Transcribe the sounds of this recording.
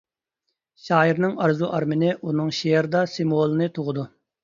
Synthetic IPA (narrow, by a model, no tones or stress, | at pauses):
ʃɑːiɾnɨŋɑɾzuʔɑɾmɪnɪʔunɨŋʃejɛɾd̪ɑsemuolˠɨnɨt̪ʰʊʁəd̪u